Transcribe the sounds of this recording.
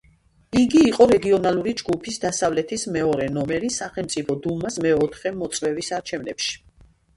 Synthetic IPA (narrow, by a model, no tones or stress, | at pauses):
iɡiːqʼɔɾɛɡiɔnalˠuɾid͡ʒɡupʰisd̪asavlɛt̪ʰismɛɔɾɛnɔmɛɾisaχɛlmt̪sʼipʰɔd̪ulˠmasmɛɔt̪ʰχɛmɔt̪sʼwɛvisaɾt͡ʃʰɛvnɛpʃi̥